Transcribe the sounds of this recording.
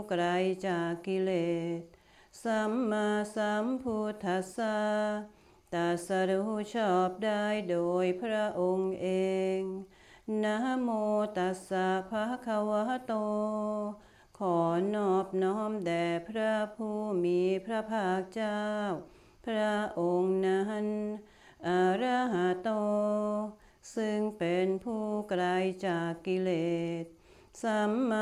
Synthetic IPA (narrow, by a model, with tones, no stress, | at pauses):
kɾa˧jt͡ɕaː˨˩kːi˧leː˨t̪̚ | sa˧˦mːaː˧sa˧˦mpʰu˧t̪ʰːa˧sa˧ | t̪a˨˧˩sa˧ɾu˧hu˧t͡ɕʰɔː˧˩p̚daː˧˩jdoː˨˧jpʰɾa˦˥ʔo˧ŋʔeː˧ŋ | na˧ɦa˧moː˧t̪a˨˦sa˧pʰa˧hkʰa˧wa˧ɦa˦t̪oː˧ | kʰɔː˩˦nɔː˧˩p̚nɔː˦˥mdɛː˨˩pʰɾa˦˧˥pʰuː˧˩miː˨˧pʰɾa˧˥pʰaː˧˩k̚t͡ɕaː˥˧w | pʰɾa˦˥ʔo˧ŋna˧ɦa˧˥n | ʔa˨˩ɾa˧ɦaː˨˩˦t̪oː˧ | sɯ˧ŋpe˨˧npʰuː˧˩kla˧jt͡ɕaː˨˩kːi˧leː˨˩t̪̚ | sa˨˧˦mːa˧